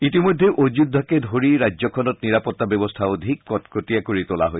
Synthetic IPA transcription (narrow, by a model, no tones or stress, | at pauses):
itimojd̪ʱːeʔod͡ʑudʱːɔkedʱoɹiɹajzɔkʰɔnɔt̚niɹapɔt̪ːabɛbɔstʰaod̪ʱikːɔtkotiakoɹit̪ola̰ɦoj